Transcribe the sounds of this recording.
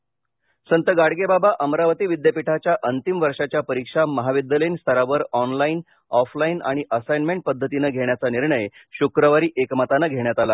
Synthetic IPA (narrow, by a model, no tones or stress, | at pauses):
sənt̪əɡaɽɡebabaʔəmɾaʋət̪iːʋid̪jəpiʈʰat͡ɕjaʔənt̪imʋəɾʂat͡ɕjapəɾikʂaməɦaʋid̪jəlenst̪ʰəɾaʋəɾɔnlain | ɔflaina̰ɽ̃iʔəsajnmeɳʈ̚pəd̪ʱːət̪inəɡʱeɳjat͡saniɾɳəjɕukɾəʋaɾiːʔekmat̪anəɡʱeɳjat̪ala